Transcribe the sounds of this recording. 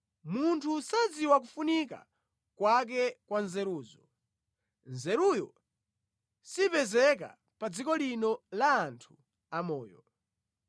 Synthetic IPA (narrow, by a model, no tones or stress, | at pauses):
muntʰusad͡ziwak̬ufunika̰ | kwak̬ɛkwanzɛɾuːzɔ | nzɛɾujɔ̰ | sipɛzɛk̬a̰ | pad͡zikɔlinɔlaːntʰu | amɔ̰ːjɔ̰